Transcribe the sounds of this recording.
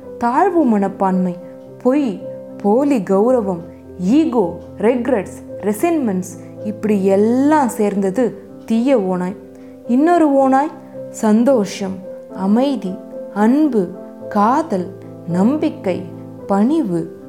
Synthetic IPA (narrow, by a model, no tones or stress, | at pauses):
t̪aːɻʋɯmɐɳɐpːaːnmɐɪ | pɔj | poːliɡɐʊɾɐʋɐm | iːɣoː | ɾɛɡɾɐʈsɾɛsɛnmɛns | ɪpːɐɽiɛlːãːseːɾnd̪ɐðɯ | t̪ijɐoːnaːj | ɪnːoɾɯoːnaːj | sɐnd̪oːʂɐmɐmɐɪðiɐɳbɯ | kaːðɐl | nɐmbɪkːɐɪ | pɐɳɪʋɯ